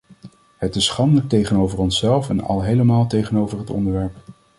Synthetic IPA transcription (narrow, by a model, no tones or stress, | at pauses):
hətɪsːχɑndələk̚tejχənowvəɹɔnsɛlˠfɛnɑ̰lˠɦejləmaːlˠtejχənowvəɹɦətɔ̰ndəɹʋɛɹp